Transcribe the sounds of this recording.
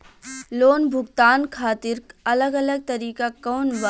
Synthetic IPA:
loːnbʱʊɡt̪aːnkʰaːt̪iɾɐləɡələɡ̚t̪əɾiːkakɔːnb

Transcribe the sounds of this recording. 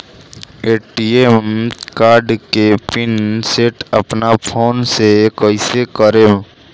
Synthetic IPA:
eːʈiemkaːɾɖkepɪnseːʈə̰pnapʰoːnsekəisekəɾẽ

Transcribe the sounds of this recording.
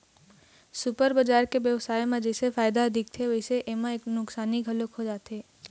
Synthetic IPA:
sʊpəɾbəd͡ʒaːɾkeʋjəʋsaːjmẽd͡ʒɛːsefaːjd̪aɐd̪ʱɪk̚t̪ʰeʋɐɪseʔemãeːknʊksaːniɡʱɐlokɦod͡ʒaːt̪eː

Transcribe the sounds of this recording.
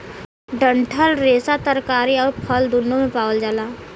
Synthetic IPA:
ɖə̃ɳʈʰəlɾeːsat̪əɾkaːɾiɔːɾpʰəld̪ʊnːomẽpaːwəld͡ʒaːlaː

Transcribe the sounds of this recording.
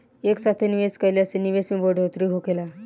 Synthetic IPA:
eksat̪ʰeniʋeskəjleaseniʋesmĩboɖʱot̪ɾiɦokela

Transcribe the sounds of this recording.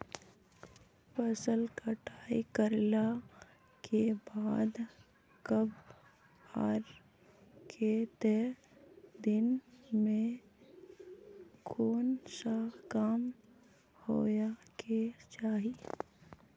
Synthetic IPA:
pəsəlkəʈʰaːḭkəɾla | kʰebaːd̪ | kəb | aːɾ | kʰet̪ɛ | d̪ɪnmẽ | kʰoːnʃaːkaːm | hoːjaket͡ʃaːɦi

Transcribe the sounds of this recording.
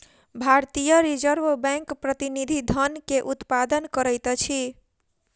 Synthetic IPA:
bʱaɾt̪ijəɾid͡ʒəɾbbɛ̃ŋkpɾət̪inid̪ʱid̪ʱənkeʔut̪pad̪ənkəɾəjt̪t͡ʃʰi

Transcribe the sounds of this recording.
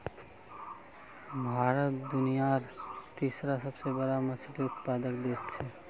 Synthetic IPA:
bʱaːɾət̪d̪ʊnijaɾt̪iːsɾasɐbsebəɾamɐsd̪iʊt̪paːd̪əkd̪eːst͡ʃʰe

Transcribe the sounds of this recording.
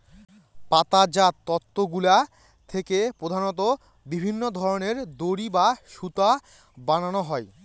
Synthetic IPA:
pat̪ad͡ʑat̪ːɔt̪ʰːoɡula | t̪ʰekepɾod̪ʱanot̪̬o | bibʱinːod̪ʱɔɾoneɾd̪oɾibaʃut̪a | bananoɦɔe

